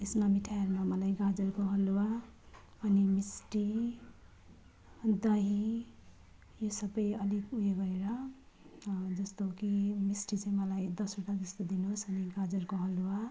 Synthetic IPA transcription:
islamiʈʰajaɾmamʌlajɡad͡zʌrkoɦʌluwa | ʌnimisʈi | d̪ʌɦi | josʌbʌjʌlikujeɡʌɾeɾʌ | d͡zʌst̪okimisʈit͡saĩmʌlajd̪ʌsuʈad͡zʌst̪od̪inusʌniɡad͡zʌrkoɦʌluwa

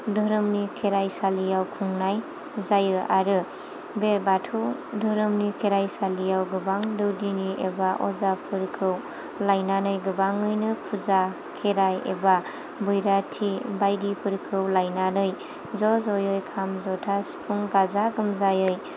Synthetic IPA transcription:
dɯɾɯmnikʰeɾajsalijawkʰuŋnaj | zajɯaɾɯ | bebatʰɯwdʱɔɾɯmnikʰeɾajsalijawɡɯbaŋdɯwdiniʔebaʔɔzapʰɯɾkʰɯw | lajnanɯjɡɯbaŋɯjnɯpʰuza | kʰeɾajḛba | bɯjɾatʰibajdipʰɯɾkʰɯwlajnanɯj | zɔzɔjɔjkʰamzɔtʰasi̥pʰuŋɡazaɡɯmzajɯj

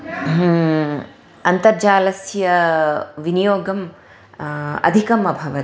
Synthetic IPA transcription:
ɐnt̪ɐɾd͡ʒaːlɐsjɐʋinijoːɡɐm | ɐ̰d̪ʱikɐmɐbʱɐʋɐ

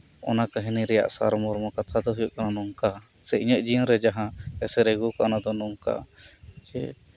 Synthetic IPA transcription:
ɔnakaɦɛniɾɛja̰ʔsa̰ɾmɔɾmɔkat̪ʰad̪ɔɦujuʔkananɔŋka | sɛʔiɲəʔd͡ʒinɾɛd͡ʒaɦãɛsɛɾɛɡukaʔɔnad̪ɔnɔŋka̰d͡ʒɛ̰

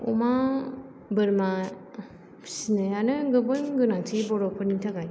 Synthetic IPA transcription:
ɔ̰ma | bɯɾma | pʰi̥sinɯanɯɡɯbɯnɡɯnaŋtʰibɔɾɔpʰɯɾniŋtʰakaj

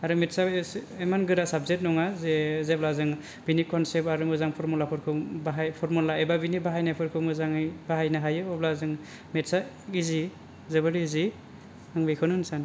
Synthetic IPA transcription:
aɾɯmetsaemanɡɯɾasab̚zet̚nɔŋazezeplazɯŋ | binikʰɔnsep̚aɾɯmɯzaŋpʰɔɾmɔlapʰɔɾkʰɯbaɦajpʰɔɾmɔlaebabinibaɦajnajpʰɯɾkʰɯmɯzaŋjb̥aɦajnaɦajɯɔblazɯŋ | met̚sa | izi | zɯbɯɾizi | aŋbejkʰɯnɯnsan

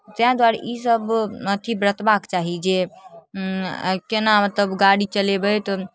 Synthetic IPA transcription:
t̪eãd̪waɾʔisəbət̪ʰibɾət̪bakt͡ʃaɦid͡ʒe | kenamət̪ləbɡaɽit͡ʃəlebət̪ɔ

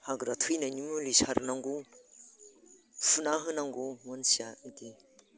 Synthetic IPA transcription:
haɡɾatʰɯjnajnimɯlisaɾnaŋɡu | fʰunaɦɯnaŋɡumɔnsiaidi

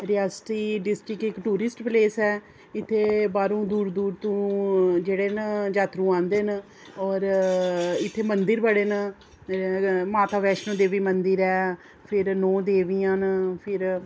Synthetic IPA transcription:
ɾɪjɛːsʈiːɖɪsʈɾɪkɪkʈuːɾɪsʈpleːsɛː | ɪt̪ʰːeːbaːɾũːd̪uːɾd̪uːɾt̪ũːd͡ʒeːɽeːnd͡ʒaːt̪ɾũːãːnd̪eːn | ɔːɾ | ɪt̪ʰːeːmənd̪əɾbəɽeːn | maːt̪aːʋɛːʃnõːd̪eːʋiːmənd̪əɾɛː | pʰɪɾnɔ̃ːd̪eːʋijãːnpʰɪɾ

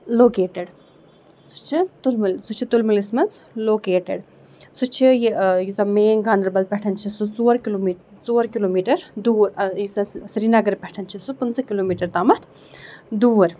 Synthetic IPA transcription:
loːkeːʈeɽ | su̥t͡ʃʰit̪ulmlsut͡ʃʰit̪ulmɐlismɐnt͡sloːkeːʈeɽ | sut͡ʃʰijijizɐmeːŋɡaːnd̪ɾbɐl̚pʲɛʈʰɐnt͡ʃʰisut͡soːɾkiloːmi | t͡soːɾkiloːmiːʈɐɾd̪uːɾɐjisɐsiɾinɐɡɐɾpʲɛʈʰɐnt͡ʃʰisupɨnt͡sɐkiloːmiːʈɐɾt̪aːmɐt̪ʰ | d̪uːɾ

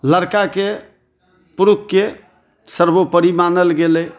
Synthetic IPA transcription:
ləɾkake | puɾukːe | səɾbopəɾimanəlɡelɛ

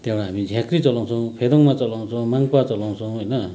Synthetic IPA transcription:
t̪ewaːmid͡ʑʱakɾit͡sɔloŋsʰoŋpʰed̪oŋmat͡sɔloŋsʰoŋmaŋpat͡sɔloŋsʰoŋwojna

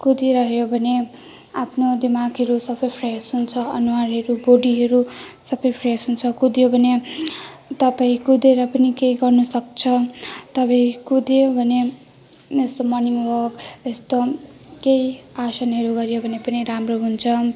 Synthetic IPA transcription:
kud̪iɾʌɦjobʱʌne | apʰnod̪imaɡɦʌɾusʌbʌjpʰresɦunt͡sʰʌʌnuwarɦʌɾuboɽiɦʌɾusʌbʌjpʰresɦunt͡sʰʌkud̪jobʱʌne | t̪ʌpaĩkud̪eɾʌpʌnikejɡʌrnʌsʌk̚t͡sʰʌt̪ʌbaĩkud̪jobʱʌne | est̪omʌrniŋwʌkest̪okejasʌnɦʌɾuɡʌɾjobʱʌnepʌniɾamroɦunt͡sʰʌ

